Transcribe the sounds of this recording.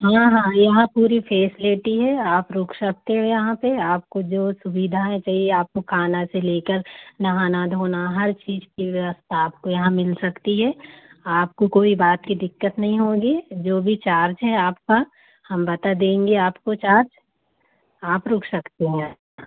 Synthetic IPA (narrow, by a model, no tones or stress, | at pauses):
ɦãːɦãːjɐɦãpuːɾifʰɛːsɪleːʈiɦɛaːpɾʊːkʰsɐk̚t̪eɦɛ̃jɐɦãpeaːp̚kod͡ʒoːsʊbid̪ʱaɦɛ̃t͡ʃaːɦieaːp̚kokʰaːnaseleːkəɾnɐɦaːnad̪ʱoːnaɦɐɾt͡ʃiːzkiʋjɐʋəst̪ʰaaːp̚kojɐɦãmɪlsɐkt̪iɦɛaːpkokoːibaːt̪kid̪ɪkːət̪nɐɦĩɦoːɡid͡ʒoːbʱit͡ʃaːɾd͡ʒɦɛaːp̚ka | hɐmbɐt̪ad̪ẽːŋɡeaːpkot͡ʃaːɾd͡ʒ | aːpɾʊkʰsɐkt̪eɦɛ̃